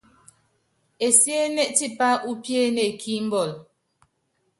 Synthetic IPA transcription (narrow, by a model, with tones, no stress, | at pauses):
e˨sje˦nɛ˦ʔti˦˨pa˦ʔu˦pje˦ne˨kʰi˦m̩˦bɔ˦˨l